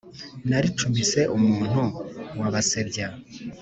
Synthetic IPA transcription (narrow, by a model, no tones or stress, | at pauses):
naɾit͡ʃuβise̞ʔumuːn̥uwaβasebɟa